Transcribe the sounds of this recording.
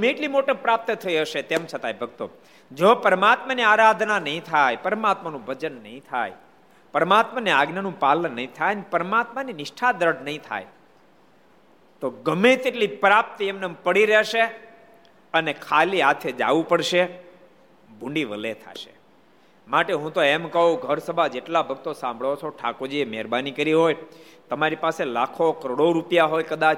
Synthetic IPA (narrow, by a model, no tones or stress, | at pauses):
ɡəmẽːʈlimoʈəpɾap̚t̪ət̪ʰəiɦəʃet̪emt͡ʃʰət̪ajbʱəɡt̪o̰ | d͡ʒopəɾəmat̪maniaɾad̪ʱnanəɦĩt̪ʰajpəɾəmat̪manũbʱəd͡ʒənːəɦĩt̪ʰa̰j | pəɾəmat̪maneaɡnənũpalənːəɦĩt̪ʰajnpəɾəmat̪maninɪʃʈʰad̪ɾəɽnəɦĩt̪ʰa̰j | t̪oɡəmet̪eʈlipɾap̚t̪emnepəɽiɾeʃe | ənekʰaliat̪ʰed͡ʒa̰ʋũpəɽʃe | bʱũɳɖiʋəlet̪ʰa̰ʃe̥ | maʈeɦũt̪oemkəɦũɡʱəɾsəbʱad͡ʒeʈlabʱəɡ̚t̪osãmbʱɭot͡ʃʰoʈʰakod͡ʒiemɛɾbanikəɾiɦoj | t̪əmaɾipaselakʰokəɾɽoɾupjaɦojkəd̪at͡ʃʰ